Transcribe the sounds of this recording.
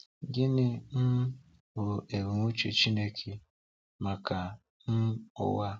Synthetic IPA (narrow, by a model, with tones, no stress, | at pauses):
ɡɪ˦nɪ˦n̩˦ | wʊ˨e˨ɾu˨ŋʷu˦t͡ʃe˨t͡ʃi˦ne˦kʰe˨ | ma˨ka˨ | n̩˦ʊ̰˦wa˦